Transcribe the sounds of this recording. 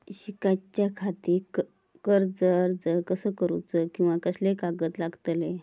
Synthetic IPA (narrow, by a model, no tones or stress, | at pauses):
ɕikat͡ɕjakʰat̪iː | kəɾd͡zəɾd͡zəɾkəsəːkəɾut͡səkĩw̃ʋak̪əslekaɡəːt̪laɡt̪le